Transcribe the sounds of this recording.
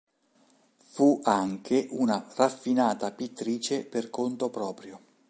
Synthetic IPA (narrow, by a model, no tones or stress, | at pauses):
fuaŋkʰeʔunarafːinaːt̪apit̪ːɾiːt͡ʃeperkont̪opɾɔːpɾjo